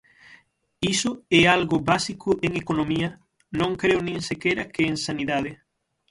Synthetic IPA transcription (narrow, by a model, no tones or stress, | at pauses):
isʊɛalɣʊbasikʰʊʔeŋekonomiɐ | nõŋkɾeʊnẽŋsekeɾɐkɪeŋsaniðaðe